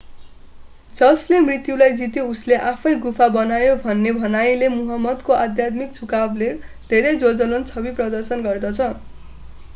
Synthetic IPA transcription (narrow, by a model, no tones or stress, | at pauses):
d͡zʌslemrit̪julajd͡zit̪jousleʔapʰʌjɡupʰabʌnajobʱʌnːebʱʌnajlemuɦʌmːʌd̪koʔad̪jat̪mik̚t͡sʰukabled̪ʱeɾʌjd͡zod͡zʌlʌnt͡sʰʌbiprʌd̪ʌrsʌnɡʌrd̪ʌt͡sʰʌ